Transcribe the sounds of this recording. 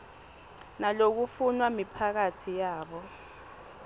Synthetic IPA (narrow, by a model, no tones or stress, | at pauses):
nalok̬ufunwamipʰak̬atʰijaːɓɔ